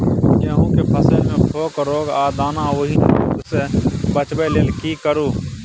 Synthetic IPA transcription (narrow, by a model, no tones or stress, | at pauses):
jẽːɦũːkepʰəsemẽːpʰoːkɾoːɡaːd̪aːnãːoɦiːnḛːɾoːɡseːbət͡ʃbeːleːlkiːkəɾuː